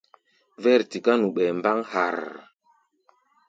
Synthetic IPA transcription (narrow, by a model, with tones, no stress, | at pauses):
vɛ˦˨ɾti˨ka˦nu˨ɓɛ˨mba˦ŋha̰˨ɾ